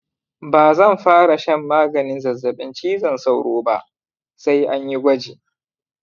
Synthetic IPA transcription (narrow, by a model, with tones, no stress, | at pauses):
baː˨zɐ˦˨mɸaː˦ɽa˨ʃɐ˦mːaː˦ɡɐ˨nɪ˦nzɐ˨zːɐ˨ɓɪ˦nt͡ʃiː˦zɐ˨nsa˦˨wɽoː˦ba˦ʔ | sa˦jʔa˦ɲji˦ɡʷɐ˦d͡ʒeː˨ʔ